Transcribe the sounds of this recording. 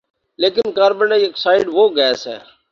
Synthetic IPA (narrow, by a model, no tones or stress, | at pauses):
leːkɪnkaːɾbə̃ɳɖaieksaːɪɖʋoːɡɛːsɦɛ̰ː